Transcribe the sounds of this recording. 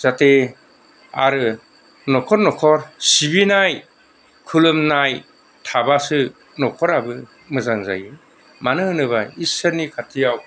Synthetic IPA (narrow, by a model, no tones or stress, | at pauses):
z̥ate | a̰ɾɯ | nɔkʰɔɾnɔkʰɔɾsibinaj | kʰulɯmnaj | tʰabasɯ | nɔkʰɔɾabɯ | mɯzaŋza̰jɯ | manɯɯnɯβajiseɾnikʰatʰijaw